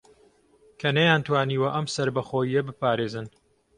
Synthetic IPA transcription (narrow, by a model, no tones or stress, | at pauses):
kʰɐnɐjaːnt̪waːniːwɐʔɐmsɐɾbɐχoːjijɐbɨpaːɾeːzɨn